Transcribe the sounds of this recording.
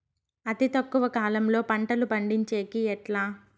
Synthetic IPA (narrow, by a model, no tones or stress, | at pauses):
ɐt̪it̪ɐkːuʋɐkaːlɐmlo̞ːpɐɳʈɐlupɐɳɖiɲt͡ʃeːkiɛʈlaː